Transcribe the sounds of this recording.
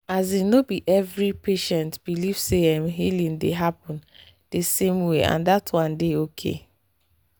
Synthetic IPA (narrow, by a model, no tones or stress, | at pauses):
azinobiʔɛvɹipeʃɛ̃ntb̥ilivseãmɦilĩndeɦapɔ̃n | d̥esẽmweʔã̰ndatʰwɔ̃ndeokʰḛ